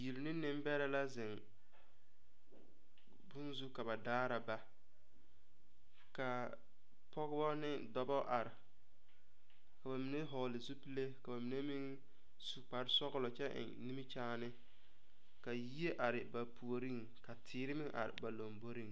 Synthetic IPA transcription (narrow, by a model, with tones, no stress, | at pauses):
ji˨li˨nɪ˦nɪ˦m˦bɛ˦ɾa˦la˦zɪ˨ŋ | bʊ˦nzu˦ka˨ba˨daː˦ɾa˨ba˦ | ka˨ | pɔ˦ɣɪ˦bɔ˦nɪ˦dɔ˦bɔ˦ʔa˨ɾɪ˨ | ka˨ba˨mi˨ne˦ɦɔ˨lɪ˨zu˦pi˦le˦ka˨ba˨mi˨ne˦mi˦ŋ | su˨k͡pa˨ɾsɔ˦ɣɪ˦lɔ˨t͡ʃɛ˦ʔɪ̰˨ŋni˦mi˦t͡ʃaː˦nɪ˦ | ka˨ji˦e˦ʔa˨ɾɪ˨ba˨pu˨o˨ɾi˦ŋ | ka˨tʰɪː˨˦ɾɪ˦mɪ˦ʔa̰˨ɾɪ̰˨ba˨lo˨mbo˦ɾi˦ŋ